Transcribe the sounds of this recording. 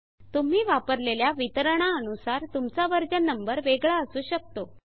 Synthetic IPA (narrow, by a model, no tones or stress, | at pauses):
t̪um̤iːʋapəɾleljaʋit̪əɾəɽ̃aənusaɾt̪umt͡saʋəɾd͡ʑənːəmbəɾʋeɡɭaəsuːɕək̚t̪o